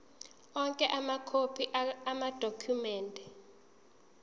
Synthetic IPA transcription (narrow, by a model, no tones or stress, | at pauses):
ɔŋkʼɛʔamakʰopʰiamad̥ʱokʰumɛːndʱɛ